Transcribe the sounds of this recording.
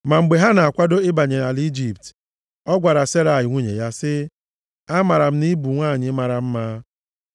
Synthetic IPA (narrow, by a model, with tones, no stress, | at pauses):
ma˨ŋ͡m̩˨ɡ͡be˨ɦa˦na˨a˨kʷa˦do˦ɪ˦ba˨ɲe˨na˨li˦d͡ʒi˨pt | ɔ˦ɡʷa˨ɾa˨se˦ɾa˨jɪ˨ŋʷu˦ɲḛ˨ja˦sɪ˦ | a˦ma˨ɾa˨m̩˦ni˦bu˨ŋʷaː˦˨ɲɪ˦ma˨ɾa˨m̩˦maː˦